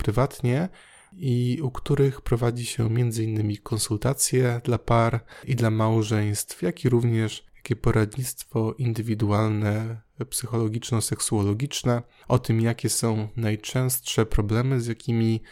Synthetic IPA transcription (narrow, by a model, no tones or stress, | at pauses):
pɾɘvat̪ɲɛ | iukt̪uɾɘxpɾɔvad͡ʑiɕɛ̰mʲjɛnd̪zɘinːɘmʲikʰɔnsult̪at̪sʲjɛd̪lapaɾʔid̪lamawʐɛj̃st̪fjakʲiɾuvɲɛʂjjakʲɛpɔɾad̪ɲit̪st̪fɔʔind̪ɘvʲid̪ualnɛpsɘxɔlɔɡʲit͡ʂnɔsɛksuɔlɔɡʲit͡ʂnɛ | ʔɔt̪ɘmjakʲɛsɔ̃w̃najt͡ʂɛ̃w̃st̪ʂɛpɾɔblɛmɘzʲjakʲimʲi